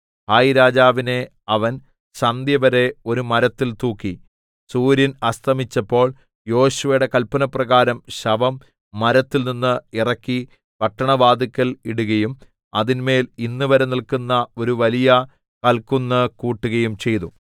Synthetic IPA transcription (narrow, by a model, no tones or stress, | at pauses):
haːjiɾaːd͡ʑaːʋine̞ | ɐʋɐn | ɕɐnd̪jɐʋɐɾe̞o̞ɾumɐɾɐt̪ːilt̪uːkːi | suːɾjɐnɐst̪ʰɐmit͡ɕːɐpːo̞ːɭ | jo̞ːɕuʋɐjuɽe̞kɐlpːɐnɐprɐɣaːɾɐmɕɐʋɐmː | ɐɾɐt̪ːilninːɨirɐkːi | pɐʈːɐɳɐʋaːd̪ikʲːɐliɽuɣɐjum | ɐðinme̞ːlinːuʋɐɾenilkunːɐo̞ɾuʋɐlijɐ | kɐlkunːɨkuːʈːuɣɐjumt͡ɕe̞jt̪u